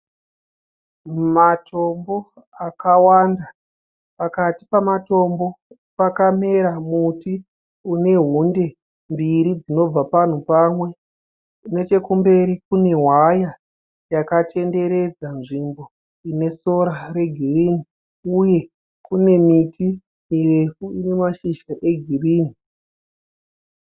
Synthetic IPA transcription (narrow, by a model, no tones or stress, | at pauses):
matʰombo̞ | akawanda | pakati̥pamato̞mbo̞ | pakame̞ɾamuti | une̞ɦunde̞ | mbiɾid͡zino̞b͡vapan̤upamwe̞ | une̞t͡ʃe̞kumbe̞ɾikune̞ɦwaja | jakate̞nde̞ɾe̞d͡zanʐimbo̞ | ine̞so̞ɾare̞ɡʱiriːni | uje̞ | kune̞miti | mirefuine̞maʃiʃaʔe̞ɡʱiriːni